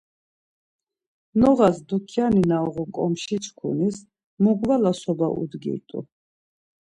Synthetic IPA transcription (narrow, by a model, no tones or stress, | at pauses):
nɔʁasd̪ukʰjaninaɔʁukʼɔmʃit͡ʃʰkʰṵnis | muɡvalasɔbaʔṵd̪ɡḭt̪ʼṵ